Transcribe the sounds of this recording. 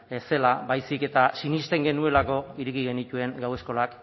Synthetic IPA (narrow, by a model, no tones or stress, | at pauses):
ese̞labajsike̞t̪asinist̪e̞ŋɡe̞nue̞lako̞iɾekiɣ̞e̞nit̪ue̞ŋɡawe̞sko̞lak